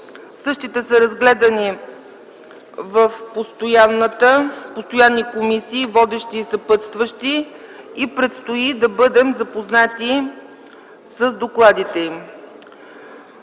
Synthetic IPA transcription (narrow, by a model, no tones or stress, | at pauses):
sɤʃt̪it̪ɛsəɾɐzɡlɛd̪əni | vəfpost̪ojanːət̪əpost̪ojanːikomisiːvɔd̪ɛʃt̪iːsɐpɤt̪st̪vəʃt̪iipɾɛt̪st̪oid̪ɐbɤd̪ɛmzɐpoznat̪i | səzd̪oklˠad̪it̪ɛim